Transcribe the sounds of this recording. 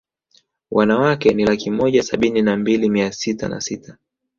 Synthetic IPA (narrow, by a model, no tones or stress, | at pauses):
wʔanawakɛnilakimɔʄasaɓininambilimiasita̰na̰sitʰa